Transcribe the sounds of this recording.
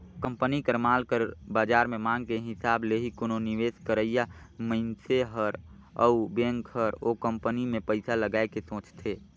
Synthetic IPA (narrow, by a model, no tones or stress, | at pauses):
kə̃mpənikəɾmaːlkəɾbaːd͡ʒaːɾmemãːŋɡkeɦɪsaːbleɦikononiʋeːskəɾəjaməɪnseɦəɾ | əbẽŋkhəɾokə̃mpənimẽpəɪsaləɡaːekesõːt͡ʃt̪ʰeː